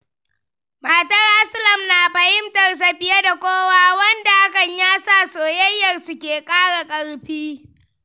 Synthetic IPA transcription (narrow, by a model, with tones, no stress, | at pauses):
maː˨tɐ˦ra˦sʊ˦lɐ˨mnaː˨ɸɐ˨hɪ˦mtɐ˨rs̬ɐ˨ɸɪ˦ja˦da˨kʷoː˦waː˦wɐ˦nda˨ʔa˦kɐ˨ɲjaː˦sa˦˨soː˨jɐ˦jːɐ˨rsu˦kʲeː˨kʼaː˦ɽa˨kʼɐ˦ɽɸiː˦